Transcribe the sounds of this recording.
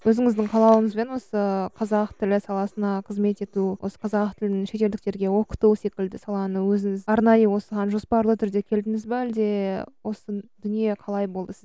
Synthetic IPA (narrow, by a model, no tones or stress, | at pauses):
wɵzɪŋɪzd̪ɪɴqʰɑlˠɑwəɴəzbe̞nwo̞səqʰɑzɑqt̪ʰɪlɪsɑlˠɑsənɑqʰəzme̞t̪e̞t̪uwʔo̞̰sə̥qʰɑzɑq̚t̪ʰɪlɪnɪŋʃe̞t̪e̞ld̪ɪk̚t̪e̞ɾɡʲe̞wo̞qə̥t̪use̞kʲɪld̪ɪsɑlˠɑnəwɵzɪŋɪzɑɾnɑjəwo̞səʁɑnʒo̞spɑɾlˠət̪ʰʏɾd̪e̞kʲʰe̞ld̪ɪmɪzbeæld̪e̞wʔo̞səd̪ʏnije̞qʰɑlˠɑjbo̞lˠd̪əsɪz